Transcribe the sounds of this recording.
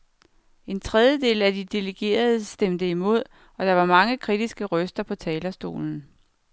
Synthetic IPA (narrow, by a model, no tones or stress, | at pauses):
e̝nt͡sʰʁɛð̞ˠjəd̥e̝̰ːlæd̥id̥e̝ləɡ̥e̝̰ːɐðˠəsd̥em̰d̥əimo̝ð̞̰ˠ | ɒ̽d̥ɑ̈ʋɑ̈mɑ̈ŋəkʰʁid̥isɡ̥əʁœsd̥ɐpʰɒ̽t͡sʰɛːlɐsd̥o̝̰ːln̩